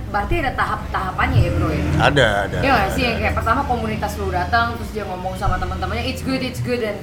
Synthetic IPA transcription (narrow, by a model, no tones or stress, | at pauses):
baɾt̪iadat̪aɦap̚t̪aɦapanɲaɛbɾoɛna̰daadajaasiakajaʔpərt̪amakomunit̪asluhdat̪əŋt̪ɾʊsdiaŋɔmɔŋsamat̪əmənt̪əmanɲaɪtsɡʊdɪtsɡʊdɛn